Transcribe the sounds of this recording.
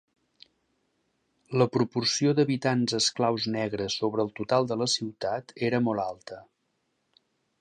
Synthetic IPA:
ləpɾupursiod̪əβit̪anzəsklawznɛɣɾəsːoβɾəːlˠt̪ut̪alˠd̪ələsiwt̪at̪eɾəmɔlˠalˠt̪ə

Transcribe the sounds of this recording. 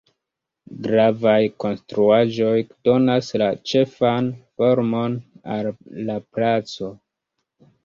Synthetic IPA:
ɡɾavajko̞nstɾuaʒo̞jd̥o̞naslat͡ʃe̞fanfo̞ɾmo̞na̰lːaplat͡so̞

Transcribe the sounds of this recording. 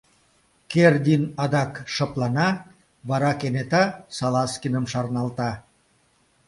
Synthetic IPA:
kerd̪ʲinɑd̪ɑkʃɤplɑnɑ | βɑɾɑkenet̪ɑsɑlɑskinəmʃɑrnɑlt̪ɑ

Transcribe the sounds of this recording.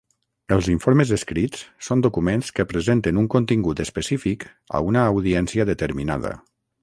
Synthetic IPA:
əlˠziɱfoɾməzəskɾit͡ssond̪ukumẽnskəpɾəzent̪ənuŋkunt̪iŋɡut̪əspəsifik | ə̰unəːwðiɛnsiəðət̪əɾmina̰ðə̰

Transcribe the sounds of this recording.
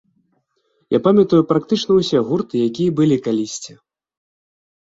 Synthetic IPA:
ja̰pamʲɐt̪ujupɾakt̪ɨt͡ʂnɐwsʲɛɣurt̪ɨjakʲijɐbɨlʲikalʲisʲt͡sʲɛ

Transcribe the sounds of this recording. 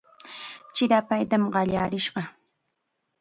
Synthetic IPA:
t͡ʃɪɾapajt̪amɢɑʎaːɾɪʃɢɑ

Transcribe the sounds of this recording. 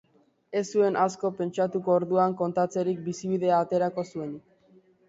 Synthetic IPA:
e̞sːue̞nʔasko̞pe̞nt͡ʃat̪uko̞ːɾðuaŋko̞nt̪at͡se̞ɾik̚bisiβ̞iðe̞aːt̪e̞ɾako̞sue̞nik

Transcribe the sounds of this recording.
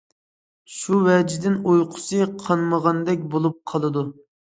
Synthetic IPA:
ʃuwɛd͡ʒɪd̪ɪnojqʰʊ̥sɨqʰɑnməʁɑnd̪ɛkʲbolˠup̚qʰɑlˠɨd̪u

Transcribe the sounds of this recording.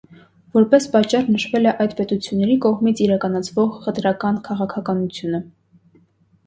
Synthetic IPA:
vɔɾpɛspɑt͡ʃːɑrnəʃvɛlɛʔɑjd̪pɛt̪ut͡sʰjunːɛɾikɔʁmit͡sʰiɾɑkɑnɑt͡sʰvɔʁχət̪ɾɑkɑnkʰɑʁɑkʰɑkɑnut͡sʰjunə

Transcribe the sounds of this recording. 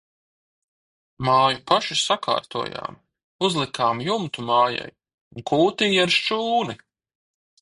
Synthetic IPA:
maːjupaʃisakʰa̰ːɾt̪uɔːja̰ːm | uzlˠikaːmjumt̪umaːja̰j | unkʰuːt̪iːjaɾʃt͡ʃuːni

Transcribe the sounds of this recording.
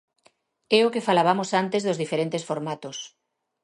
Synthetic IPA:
ɛokefalaβamosant̪ezðozðifeɾẽnt̪esfoɾmat̪os

